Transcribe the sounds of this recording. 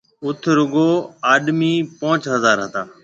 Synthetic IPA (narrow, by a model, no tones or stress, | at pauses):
ʊt̪ʰɾʊɡoːaːɗmiːpãːt͡ʃɦəzaːɾɦət̪aː